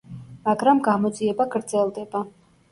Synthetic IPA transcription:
maɡɾamɡamɔd̪ziɛbaɡɾd̪zɛlˠd̪ɛba

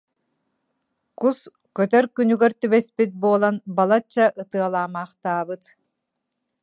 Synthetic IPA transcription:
qus | kœt̪œɾkynyɡœɾt̪yβɛspit̪̚buɔːlˠanbalˠat͡ɕːaʔɯt̪ɯɐlˠaːmaːχt̪aːbɯt̪

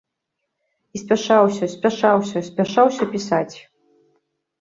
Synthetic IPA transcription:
isʲpʲaʂawsʲɐsʲpʲaʂawsʲɐsʲpʲaʂawsʲɐpʲisat͡sʲ

